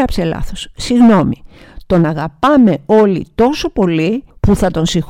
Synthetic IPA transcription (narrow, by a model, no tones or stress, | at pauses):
ɐpse̞lɐ̰θo̞ssiɣno̞mi | t̪o̞nɐɣɐpɐme̞o̞lḭt̪o̞so̞po̞lipuθɐt̪o̞nsix